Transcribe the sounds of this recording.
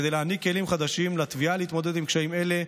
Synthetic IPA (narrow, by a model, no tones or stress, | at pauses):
d̪ejleanikːe̞limχad̪aʃimlat̪vialeit̪mo̞d̪e̞d̪imkʃaime̞le̞